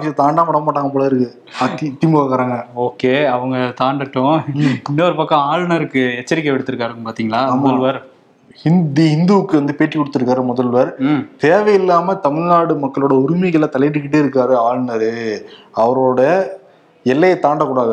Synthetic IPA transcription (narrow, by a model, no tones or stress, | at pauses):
kːt̪aːɳɖaːmɐɽɐmaːʈːaːŋɡɐpːɔɭɐːɪɾɯkːɯ | ɐt̪ɪt̪ːimʊɣakːɐɾaːŋɡɐoːkeːɐʋɐŋɡɐt̪aːɳɖɐʈːʊ̃ɪnːɐːɐɾpɐkːɐ̃aːɻnɐɾɯkːɯɛt͡ʃːɐɾɪkːɐʋɪɽɯt̪ːɯɾɯkːaːɾɯkpaːɾt̪iːŋɡɐlaːmɐlʋɐɾ | hɪnd̪ihɪnd̪uʋɯkːɯʋɐnd̪ɯpeːʈrikɔɽɯt̪ːɯɾɯkːaːɾɯmɔðɐlʋɐɾt̪eːʋɐjɪlːaːmɐt̪ɐmɪɻnaːɽɯmɐkːɐɭoːɽɐɔɾɯmɪɣɐlat̪ɐlɐʈ̬ːɯkːɪʈ̬ːeːɪɾɯkːaːɾɯaːɻnɐɾɯɐʋɐɾoːɽɐ | ɛlːɐjɐt̪aːɳɖɐkuːɽaːðɯ